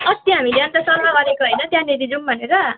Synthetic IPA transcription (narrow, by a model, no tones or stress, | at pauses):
ʌt̪jʌɦamileʌnt̪ʌsʌlmabʌɾekoɦʌjnʌt̪jãnid̪id͡zumbʱʌneɾʌ